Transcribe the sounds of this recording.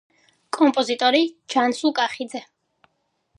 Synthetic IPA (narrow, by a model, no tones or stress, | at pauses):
kʼɔmpʼɔzit̪ʼɔɾit͡ʃʰansulˠkʼaχid̪zɛ